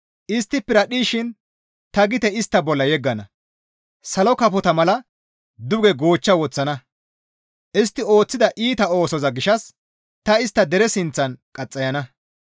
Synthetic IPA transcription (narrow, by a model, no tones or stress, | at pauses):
ʔɪst̪ːɪpːɛɾɐɗiːʃɪn | t̪ɐɡɪt̪ɛɪst̪ːɐbɔlːɐjɛɡːɐnɐ | sɐlɔkɐpɔt̪ɐmɐlɐ | d̪ʊɡɛɡo̞ːt͡ʃːɐwɔt͡sːɐnɐ | ʔɪst̪ːɪo̞ːt͡sːɪd̪ɐʔiːt̪ɐo̞ːsɔzɐɡɪʃɐs | t̪ɐɪst̪ːɐd̪ɛɾɛsɪnt͡sːɐnkʼɐt͡sʼːɐjɐnɐ